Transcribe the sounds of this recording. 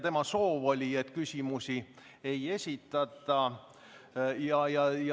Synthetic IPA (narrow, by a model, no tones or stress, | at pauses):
t̪e̞mɑso̞ːvo̞lʲiet̪ːkysʲimusi | e̞je̞sʲit̪ːˑɑt̪ːˑɑ | jɑjɑj